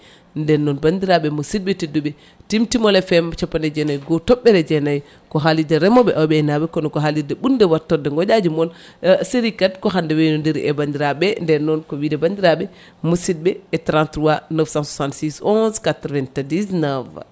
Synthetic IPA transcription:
ndɛnːɔnbandiɾaɓɛmosid̚ɓɛtidːuɓɛ | timtimɔlɛfɛmt͡ʃapːandɛd͡ʒɛnajɡɔtɔɓːɛɾɛd͡ʒɛnaj | kɔɦalidɛɾɛmɔɓɛʔawɓɛːnabɛkɔnɔkɔɦalidɛɓundɛwatːɔdɛŋɡɔd͡ʒad͡ʒumɔn | seɾikatkɔɦandɛwɛnɔndiɾ̰ʔɛbandiɾaɓɛndɛɾnːɔnkɔwiːdɛbandiɾaɓɛ | mosid̚bɛːtɾãntɾuwanɔfsãnsusantsisɔnskatɾvɛntadisnav

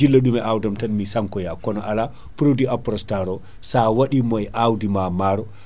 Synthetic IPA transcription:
ilːaɗumɛawdamtanmisaŋkɔjakɔnɔʔala | pɾodiʔapɾɔstaɾɔ | sawaɗimɔjʔawdimamaɾɔ

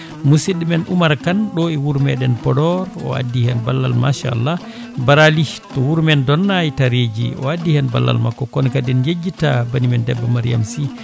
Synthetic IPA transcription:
musiɗimɛnʔumaɾkanɗɔɛwuɾmɛɗɛnpɔdɔɾɔ̰a̰dːihɛnbalːa̰lma̰ʃa̰a̰lːa | baɾalitɔwuɾmɛndɔnːajtaɾed͡ʒḭɔ̰adːihɛnba̰lːa̰lmakːɔkɔnkadɛnjed͡ʒːitabanimɛndɛbːamaɾija̰msi

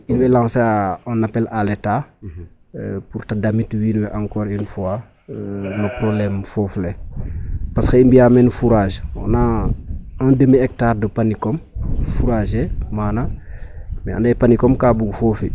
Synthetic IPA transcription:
inwɛlãːsaɔnːapɛlʔaleta | puɾtadamitwinwɛʔaŋkɔːɾinfua | mɐpɾoblɛːmfɔːfle | paskəinbijamenfuɾaːʒɔ̰na | andəmiɛk̚taːrdəpanikɔmfuɾaːʒemaːna | mɛa̰ndɛpanikɔmkabuɡfofi

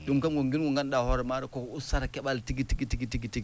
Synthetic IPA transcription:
dumkamɡoŋɡinɡuŋɡanɗahɔɾɛmaɾikokusaɾakɛɓaltiɡitiɡitiɡitiɡitiɡ

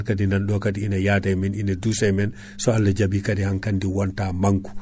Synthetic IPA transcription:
kadinanɗɔkadiinajatajmininadusɛjmɛn | sɔalːad͡ʒabikadihankandiwantamaŋku̥

